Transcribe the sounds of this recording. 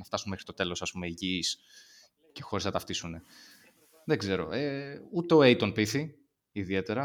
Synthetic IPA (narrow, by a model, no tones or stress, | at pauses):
nɐft̪ɐsunmexɾit̪o̞t̪e̞lo̞sɐspume̞iʝis | ce̞xo̞ɾeznɐt̪ɐft̪isune̞ | ðeɡze̞ɾo̞̰eut̪e̞o̞e̞it̪onpiθi | iðie̞t̪e̞ɾɐ